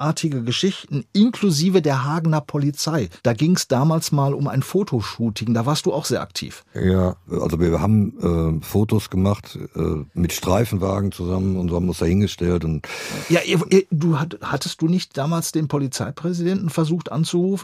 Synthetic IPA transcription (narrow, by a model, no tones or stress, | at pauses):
ʔaːɐtʰɪɡəɡəʃɪçtn̩ʔɪnkluziːvədeːɐɦaːɡnɐpʰɔlit͡saɪd̥aːɡɪŋəsd̥aːmaːlsmaːlʊma̰ɪnfoːtʰoʃuːtʰɪŋdaːvaːɐstd̥uːaʊxz̥eːɐʔa̰ktʰḭːfjaːʔa̰lzoviːɐha̰ːbm̩ʔɛːfoːtosɡ̥əmaχtʔɛ̰ːmɪtʃtʁ̥aɪfn̩vaːɡŋ̩t͡suzamənʊntzhaːmɪʊnsd̥ahɪnɡəʃtɛltʊntjaːʔiɐɐduːɦahatəst̚d̥uːnɪçt̚d̥aːmaːlsd̥eːnpʰɔlit͡saɪpʁ̥ɛzidɛntn̩fɛɐzuːxtʔant͡suʁuːfn̩